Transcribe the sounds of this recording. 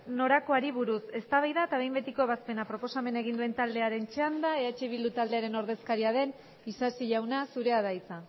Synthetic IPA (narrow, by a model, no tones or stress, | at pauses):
no̞ɾako̞aɾiβuɾuse̞st̪aβajðaet̪aβe̞jmbet̪ikoe̞β̞aspe̞napɾo̞po̞same̞nae̞ɣ̞ind̪ue̞nt̪ald̪e̞aɾe̞nt͡ʃeand̪aeat͡ʃeβild̪ut̪ald̪e̞aɾe̞no̞ɾð̞e̞skaɾiað̞e̞n | isasiʎawnasuɾe̞aðajt͡sa